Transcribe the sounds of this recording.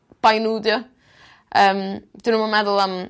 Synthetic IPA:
b̥ajnuːdjɔ | əːmd̥inəmamɛðʊlˠam

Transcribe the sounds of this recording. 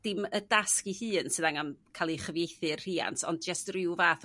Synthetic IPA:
d̥ɪmədaskihɨːnsɨðaŋamkʰaːlˠiχəvjejθɨrr̥iːa̰ntɔ̰nd̚d͡ʒəstrɪwvaːθ

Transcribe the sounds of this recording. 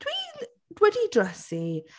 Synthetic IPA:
d̥ʰwi | d̥wɛdidrəsi

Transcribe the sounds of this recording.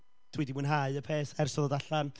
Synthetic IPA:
tʰwiːdimunɦaɨəpʰeːsɛrsɔðɔdaɬan

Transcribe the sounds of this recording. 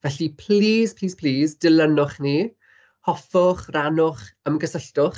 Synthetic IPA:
vɛɬipʰl̥iːspʰliːspʰliːsdɪlənʊχni | hɔfɔχranʊχəmɡəsəɬtʊχ

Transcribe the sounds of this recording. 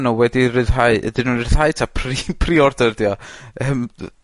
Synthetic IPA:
nuwɛdirɨðɦaɨə̰dɨnunrɪð̥haɨtʰapʰripʰriɔrdərdjɔəm

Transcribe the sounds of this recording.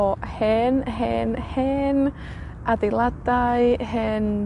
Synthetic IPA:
ɔhɛnɦɛnhɛn | adelˠadaɨhɛn

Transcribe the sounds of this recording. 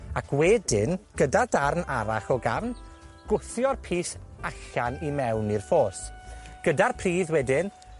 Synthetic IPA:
akʰwɛdɪnɡ̥ədadarnaɾa̰χɔɡavn | ɡ̥ʊθjɔrpʰiːsaɬanimɛwnirfoːsɡ̥ədarpʰriːðwɛdɪn

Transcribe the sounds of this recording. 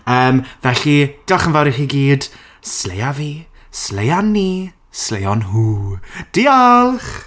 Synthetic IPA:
əːmvɛɬid̥aχənvaɾiχiɡiːd | slejavi | slejani | slejɔnɦuːd̥ialˠχ

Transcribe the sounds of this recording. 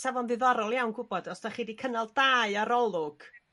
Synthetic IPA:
savɔnðɪðɔɾɔlˠjawnɡʊbɔdɔsd̥aχiːdikʰənalˠdaːɨaɾɔlˠʊɡ̥

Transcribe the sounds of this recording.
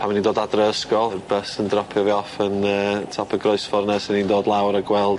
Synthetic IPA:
pʰamnindoːdadrəskɔrbəsəndrɔpʰjɔviɔfənəːtʰɔpʰəɡroɨsfɔrnɛsənindoːdlˠawɾəɡwɛlˠd

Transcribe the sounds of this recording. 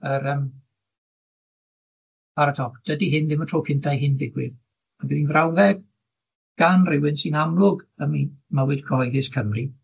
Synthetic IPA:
əɾəm | pʰaɾatʰɔk̚d̥ədiɦɪnðɪmətʰropʰɪndʰajɦɪndɪɡwɪð | maɡəninvrawðɛɡ | ɡ̥anrɪwɪnsinamlˠʊɡəmimawɨdkʰɔɔjðɪskʰəmri

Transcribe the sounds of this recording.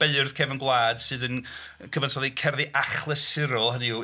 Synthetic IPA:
b̥eɨrð̥kʰɛvənɡwlˠaːd̥sɨːðən | kʰəvansʰɔðikʰɛrðiʔaχlˠəsɪɾɔlˠhəniuː

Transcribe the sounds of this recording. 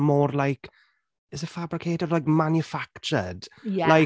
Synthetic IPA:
mɔːrlajk | ɪsəfabɾɪkʰeːtədlajkmanjəfakt͡ʃə̰d̥laj

